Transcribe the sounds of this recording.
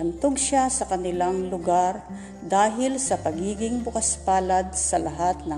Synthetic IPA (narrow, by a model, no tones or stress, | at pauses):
ɐnt̪oɡʃasɐkɐnɪlaŋlʊɡaɾ | d̪aːɦɪlsɐpɐɡiːɡɪŋbʊkaspaːlad̪̚sɐlaɦat̪̚nɐ